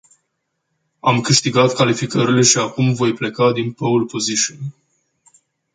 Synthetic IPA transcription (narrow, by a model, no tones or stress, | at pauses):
amkɨʃt̪iɡat̪kalifikəɾile̞ʃiakumvo̞jple̞kad̪inpəulpo̞ziʃən